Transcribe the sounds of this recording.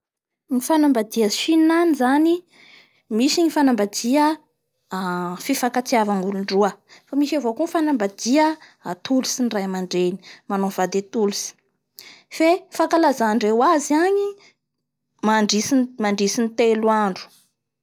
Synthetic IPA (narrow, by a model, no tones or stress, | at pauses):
ɲifanambad̪iəʃinnanizani | miʃiɲifanambad̪iə | fifakat͡siavaŋɡuluɳɖ͡ʐuəfamiʃavokunfanambad̪iəat̪ulusinirajamaɳɖ͡ʐeni̥manov̥ad̪et̪ulusi̥ | fefakalazaɳɖ͡ʐewaziaɲi | maɳɖ͡ʐisimaɳɖ͡ʐisinit̪eluaɳɖ͡ʐu̥